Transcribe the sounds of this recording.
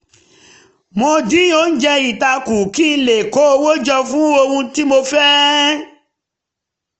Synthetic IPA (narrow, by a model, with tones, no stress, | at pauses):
mõ˧dĩ˦o˨˦n̩˦d͡ʒɛ˧i˨ta˧ku˨ki˦˧n̩˦˧le˨ko˨˦o˧wo˦d͡ʒɔ˧fũ˨˦o˧hũ˧ti˦mo˧fɛ˦